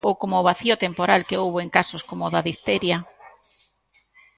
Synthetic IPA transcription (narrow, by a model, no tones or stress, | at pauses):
owkomoʊːβ̞aθiʊt̪empoɾalkeowβoeŋkasoskomoðaðiθt̪eɾja